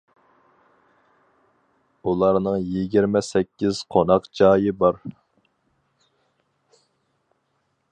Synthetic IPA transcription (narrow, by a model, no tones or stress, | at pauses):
ulˠɑɾnɨŋjiɡʲiɾmɛsɛkʲʰːiz̥qʰonɑqd͡ʒɑːjibɑɾ